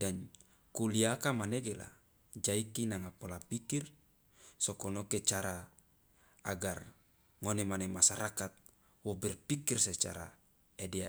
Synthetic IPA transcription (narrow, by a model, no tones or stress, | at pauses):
dan | kuliakamaneɡela̰ | d͡ʒaikinaŋapolapikir | sokonoket͡ʃaɾa | aɡar | ŋonemanemasaɾakat̪̚ | wobɛrpikirset͡ʃa̰ɾa̰ | edea